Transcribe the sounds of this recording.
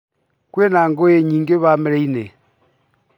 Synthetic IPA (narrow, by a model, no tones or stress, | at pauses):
kwɛnaŋɡojeɲiŋɡeβamɛɾɛine